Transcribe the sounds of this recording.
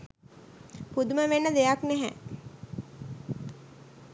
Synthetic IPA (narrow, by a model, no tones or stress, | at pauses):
pud̪uməʋenːəd̪ejaknæɦæ̰